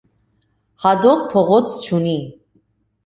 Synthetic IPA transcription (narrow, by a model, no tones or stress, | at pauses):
hɑd̪ɔʁpʰɔʁɔt͡sʰt͡ʃʰuni